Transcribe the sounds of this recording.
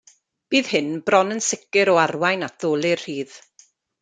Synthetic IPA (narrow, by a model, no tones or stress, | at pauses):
b̥iːð̥hɪnbrɔnənsɪkɨɾɔarwajnat̚ð̥oːlˠɪrhiːð̥